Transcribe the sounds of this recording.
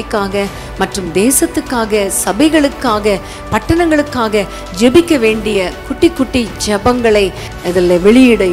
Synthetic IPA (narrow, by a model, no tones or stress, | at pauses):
ɪkːaːɣɐ | mɐʈrɯmd̪eːsɐt̪ːɯkːaːɣɐsɐbɐɪɣɐɭɯkːaːɣɐ | pɐʈːɐnɐŋɡɐɭɯkːaːɣɐ | d͡ʒɛbɪkːɐʋeːɳɖɪjɐkʊʈːɪkːʊʈːid͡ʒɐbɐŋɡɐɭɐɪ | ɐðɐlɐʋɛɭɪjɪɽɐ